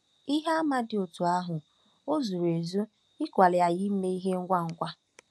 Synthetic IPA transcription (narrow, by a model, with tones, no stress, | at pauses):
i˦ɦa˦a˦ma˦dɪ˨o˨tu˨a˦ɦʊ˨ | o˦zu˨ɾe˨zu˦ | ɪ˦kʷa˨lɪ˨a˨jɪ˦m̩˦me˦i˦ɦe˦ŋ̩˦ɡʷa˦ŋ̩˦kʷa˦